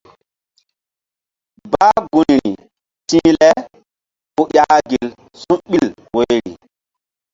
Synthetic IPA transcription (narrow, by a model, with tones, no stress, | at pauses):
baː˦ɡu˨nɾi˨ | tĩː˦lɛ˦ | ku˦ja˦ɡi˨l | sũ˦ɓi˦l | wo˦jɾḭ˨